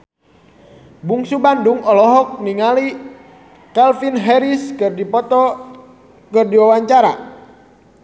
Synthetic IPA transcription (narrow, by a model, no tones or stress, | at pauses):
buŋsubanduŋɔlɔɦɔk̚niŋali | kalfinɦɛɾiskɨrdipɔt̪ɔ | kɨrdiwawaɲt͡ʃaɾa̰